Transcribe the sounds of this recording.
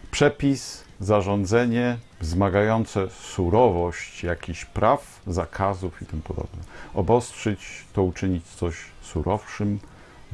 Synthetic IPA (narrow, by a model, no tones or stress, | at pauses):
pʂɛpʲis | zaʐɔnd̪zɛɲɛvzmaɡajɔnt̪sɛsuɾɔvɔɕt͡ɕjakʲiɕpɾʔaf | zakʰazufit̪ɘmpɔd̪ɔ̰bnɛɔbɔstʂɛt͡ɕt̪ɔut͡ʂɘɲit͡ɕt̪sɔɕsuɾʔɔfʂɘm